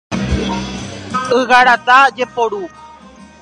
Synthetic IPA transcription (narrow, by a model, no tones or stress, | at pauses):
ɨɣaɾat̪ad͡ʒepoɾu